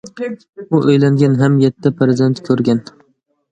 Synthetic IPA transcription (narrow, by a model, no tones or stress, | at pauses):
ʊʔɵjlaŋɡʲanɦamjet̪ʰːɪpɾezd̪e̞nt̪kʲʰɵɾɡʲan